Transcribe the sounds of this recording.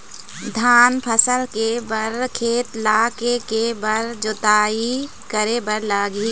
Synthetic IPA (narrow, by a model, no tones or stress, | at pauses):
d̪ʱaːnpʰəsəlkebɐɾkʰeːt̪laːkekebɐɾd͡ʒot̪aːi | kəɾebəɾlaːɡi